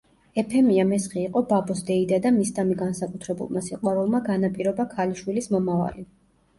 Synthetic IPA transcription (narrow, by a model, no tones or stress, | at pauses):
ɛpʰɛmiamɛsχiːqʼɔbabɔsd̪ɛid̪ad̪amisd̪ʼamiɡansakʼut̪ʰɾɛbṵlˠmasiqʼwaɾulˠmaɡanapʼiɾɔbakʰaliʃwilismɔmava̰li